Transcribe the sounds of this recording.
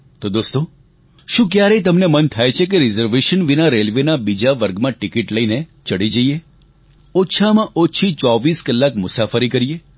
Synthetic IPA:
t̪od̪ost̪o | ʃũkjaɾəjt̪əmnemənt̪ʰajt͡ʃʰek̬eɾɪzəɾʋeʃənʋinaɾelʋenabid͡ʒaʋəɾɡmãʈikiʈləinet͡ʃəɽid͡ʒəie | oːʃʰamãʔot͡ʃʰit͡ʃɔʋiskəlːakmʊsafəɾikəɾie

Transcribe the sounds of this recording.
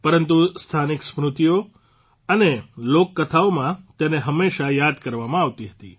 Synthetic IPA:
pəɾənt̪ust̪ʰaniksmɾut̪ijo | ənelokːət̪ʰaomãt̪eneɦəmːeʃajad̪kəɾʋamãaʋt̪iɦət̪ḭ

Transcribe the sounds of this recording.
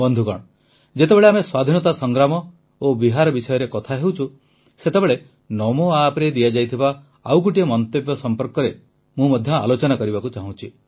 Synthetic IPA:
bɔnd̪ʱukɔ̰ɽ̃ | d͡ʒet̪ebeɭeameswad̪ʱinɔt̪asɔŋɡɾamɔ | obiɦaɾɔbisɔjɔɾekɔt̪ʰaɦewt͡ʃʰu | set̪ebeɭe | nɔmoapɾed̪ijad͡ʒajt̪ʰiba | a̰wk̬uʈiɔmɔnt̪epjɔsɔmpɔɾkɔɾe | mũmɔd̪ʱjɔa̰lot͡ʃɔnakɔɾibakut͡ʃaɦũt͡ʃʰi

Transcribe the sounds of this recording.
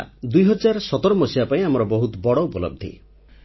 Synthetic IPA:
d̪ujɦɔd͡ʒaɾsɔt̪ɔɾɔmɔsibapaĩamɔɾɔbɔɦut̪ɔbɔɽɔupɔlɔ̰b̚d̪ʱḭ

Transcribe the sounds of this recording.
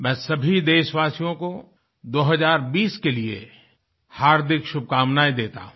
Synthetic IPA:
mɛ̃ːsɐbʱid̪eːʃʋaːsijõko | d̪oːɦəzaːɾbiːskeliḛ | haːɾd̪ʱɪkʃʊb̚ʱkaːmnaːid̪eːt̪a̰ɦũ

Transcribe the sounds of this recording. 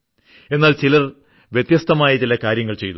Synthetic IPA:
e̞nːaːlt͡ɕilɐr | ʋjet̪jɐst̪ʰɐmaːjɐt͡ɕilɐkaːɾjɐŋːɐɭt͡ɕe̞̰jt̪u

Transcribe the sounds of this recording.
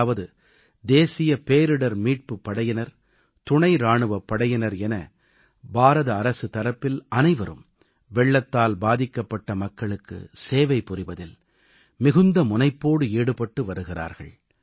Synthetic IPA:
ʋɐðɯ | d̪eːsɪjɐpeːɾɯɽɐɾmiːʈ̚pɯpːɐɽɐjɪnɐɾ | t̪ʊɳɐɪɾaːɳɯʋɐpːɐɽɐjɐnɐɾɛnɐ | baːɾɐðɐːɾɐsɯt̪ɐɾɐpːɪlʔɐnɐɪʋɐɾɯ̰m | ʋɛɭːɐt̪ːaːlbaːðɪkːɐpːɐʈːɐmɐkːɐɭɯkːɯ̰seːʋɐɪpːʊrɪʋɐðɪl | mɪɣɯnd̪ɐmʊnɐɪpːoːɽɯeːɽɯpɐʈːɯʋɐɾɯɣɪra̰ːɾɣɐ̰ɭ

